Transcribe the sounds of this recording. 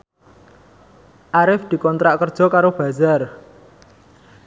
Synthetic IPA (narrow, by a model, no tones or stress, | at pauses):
ʔaɾɪfd̪̥i̤kɔnt̪ɾaʔkərd̥ʒ̥ɔ̤kaɾob̥a̤zar